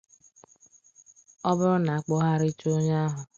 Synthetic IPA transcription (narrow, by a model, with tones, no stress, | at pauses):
ɔ˦bʊ˦ɾʊ˦na˨a˨k͡po˦ɦa˦ɾɪ˦t͡ʃo˦ɲa˦a˦ɦʊ˨